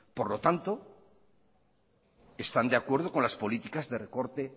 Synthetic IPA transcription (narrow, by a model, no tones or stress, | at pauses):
po̞ɾlo̞t̪ant̪o̞ | e̞st̪and̪eakwe̞ɾð̞o̞ko̞nlaspo̞lit̪ikazðe̞re̞ko̞ɾt̪e̞